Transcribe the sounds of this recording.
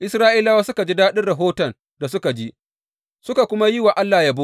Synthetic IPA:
ʔɪ˦sɾaː˦ʔiː˦laː˦waː˦sʊ˦ka˨d͡ʒi˦daː˦ɗɪ˦rɽɐ˨ɦoː˦tɐ˨n | da˨sʊ˦ka˨d͡ʒi˦ | sʊ˦ka˨kʷʊ˦ma˦jɪ˦wa˨ʔa˦lːaː˨ja˦bʊ˦

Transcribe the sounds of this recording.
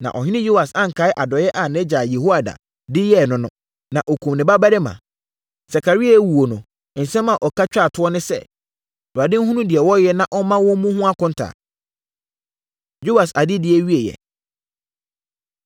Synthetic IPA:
nã̰˨ʔɔ˨ɦɪ˦nɪ̃˦jo˦wa˨sã˦ŋ̩˨kʰa˨˦ɪ˦ʔa˨dɔ˨jɛ˦ʔa˨nɛ̃˦d͡ʑaː˨jɛ˨ho˦a˨da̰˨ | dɪ˦jɛ˦˨nʊ̃˨˦nʊ̃˦ | nã˨ʔɔ˨kʰũ˨mnɪ̃˨ba˦ba˦ɾɪ˦mã̰˨ | sa˨kʰa˨ɾi˦a˦˨˦wu˨wo˨nʊ̃˨ | n̩˨sɛ̃˦mã˨ʔɔ˨kʰa˦t͡ɕᶣa˦˨tʰʊ˦ɔ˦nɪ̃˦sɛ̰˦ | wa˨dɪ˦n̩˦ɦũ˦nũ˦dɪ˨ɛ˨wɔ˦jɛ˦nã˦ʔɔ˦mã˦wɔ̃˦mũ˦ɦʊ̃˦a˦kʰʊ̃˦n̩˦tʰa̰ː˨ | jo˦wa˨sa˨dɪ˦dɪ˨ɛ˦ɥi˦e˨jɛ̰˨

